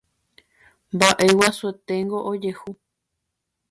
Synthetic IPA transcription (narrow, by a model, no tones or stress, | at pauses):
mbaʔe̞wasuet̪eŋɡoʔod͡ʒehu